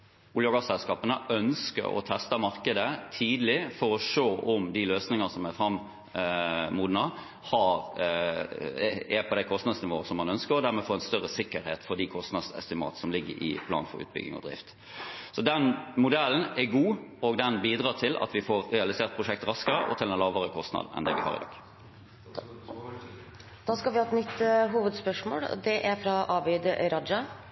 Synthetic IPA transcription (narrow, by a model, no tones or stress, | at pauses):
ʊljoɡɑsɛlskɑːpənəʔœnskə̰ɾɔ̰t̪ʰɛst̪əmɑɾkəd̪ət̪ʰiːd̪lɪfɔɾɔʂoːʔʊmd̪iløːsnɪŋənsɔmɛfɾɑm | muːd̪nɑ | hɑɾ | ɛpʰɔd̪æɪkʰɔst̪nɑd̪snɪʋoːəsɔmːɑnœnskəɾɔd̪æɾmɛfoːɾɛnst̪œʁəsɪkːəɾhḛːt̪fɔd̪ikʰɔst̪nɑd̪sɛ̰st̪ɪmɑ̰ːt̪sɔmlɪɡːə̰ɾɪ̰pʰlɑ̰ːnfɔ̰ɾʉ̰ːt̪̚bʏ̰ɡɪ̰ŋɔ̰d̪ɾɪ̰ft̪ | sɔd̪ɛnmʊd̪ɛln̩æɡuːɔɡd̪ɛnbiːd̪ɾɑːt̪ʰɪlʔɑ̰t̪ʋɪfoːɾʁɛɑlɪseːʁt̪̚pʰɾʊʂɛk̚t̪ɾɑskəɾəʔɔ̰t̪ʰɪlɛnlɑːʋəɾəkʰɔst̪nɑ̰ːd̪n̩ɛ̰nd̪ɛ̰ʋɪ̰hɑ̰ːɾɪ̰d̪ɑ̰ːɡ | d̪ɑːskɑlʋɪhɑːɛt̪nʏt̪ːɦuːʋəd̪spœʂmo̰ːld̪ɛʔæɾfɾɑʔɑːbɛd̪əɾɑd̪ɑ